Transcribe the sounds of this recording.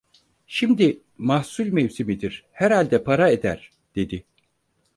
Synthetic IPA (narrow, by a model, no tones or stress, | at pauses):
ʃimd̪i | mahsulʲmevsimid̪iɾ̥hæɾhalʲd̪ɛpʰaɾae̞d̪æɾ̥ | d̪̥e̞d̪i